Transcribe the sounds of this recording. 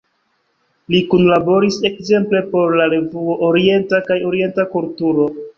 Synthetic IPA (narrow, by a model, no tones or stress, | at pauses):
likunlabo̞ɾise̞kze̞mple̞po̞ɾlaɾe̞vuoʔoɾie̞ntakajo̞ɾie̞ntakultuɾo̞